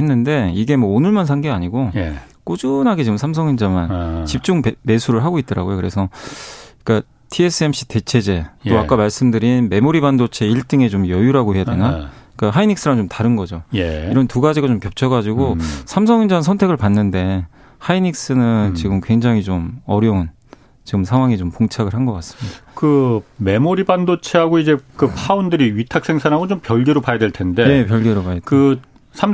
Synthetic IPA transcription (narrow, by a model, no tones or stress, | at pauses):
henːɯnde̞iɡe̞mwʌonɯɭmansʰaŋɡeaɲiɡojk͈od͡ʑunɦaɡet͡ɕiɡɯmsʰams̬ʰʌŋind͡ʑamant͡ɕip̚t͡ɕ͈uŋme̞sʰuɾɯɭɦaɡoit̚t͈ʌɾa̰ɡojokɯɾe̞sʰʌ | k͈a | tʰie̞s͈ʰɯe̞mɕ͈i̥te̞t͡ɕʰe̞d͡ʑe̞t͈oak͈amaɭs͈ɯmdɯɾinme̞moɾibandot͡ɕʰe̞iɭt͈ɯŋe̞t͡ɕomjʌjuɾaɡoɦe̞jade̞nak͈aɦainik̚s͈ɯɾat͡ɕomtaɾɯnɡʌd͡ʑoiɾʌntuɡad͡ʑiɡat͡ɕomkjʌp̚t͡ɕʰʌɡad͡ʑiɡosʰams̬ʰʌŋind͡ʑansʰʌntʰe̞ɡɯɭpanːɯnde̞ | hainik̚s͈ɯnɯnnt͡ɕiɡɯmkwe̞ŋd͡ʑaŋɦit͡ɕomʌɾjʌɯn | t͡ɕiɡɯmsʰaŋwaŋit͡ɕompoŋt͡ɕʰaɡɯɭɦhanɡʌk͈as͈ɯ̥midakɯme̞moɾibandot͡ɕʰeɦaɡoid͡ʑe̞kɯpʰaundɯɾiɥitʰak̚s͈ʰe̞ŋsʰanɦaɡot͡ɕompjʌɭɡeɾopajadeɭtʰe̞nde̞je̞pjʌɭɡeɾopajkɯ | sʰam